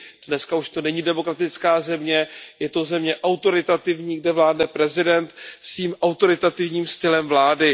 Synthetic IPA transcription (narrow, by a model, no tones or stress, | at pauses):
d̥nɛskauʃt̪o̞nɛɲidɛmo̞kɾat̪ɪt͡skaːzɛmɲɛjɛt̪o̞zɛmɲɛʔawt̪o̞ɾɪt̪at̪ɪvɲiːɡdɛvlaːdnɛpɾɛzɪdɛnt̪sviːmʔawt̪o̞ɾɪt̪at̪ɪvɲiːmst̪ɪlɛmvlaːdɪ